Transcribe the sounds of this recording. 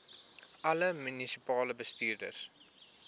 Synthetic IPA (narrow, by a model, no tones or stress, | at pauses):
ʔɐləmynisipɑːləbəstiːrdə̰rs